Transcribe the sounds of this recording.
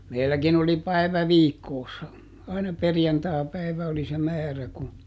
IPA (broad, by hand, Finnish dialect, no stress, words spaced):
meilːækin oli pæi̯ʋæ ʋiːkːoːsːɑ ɑinɑ perjɑntɑːpæiʋæ oli se mæːræ ku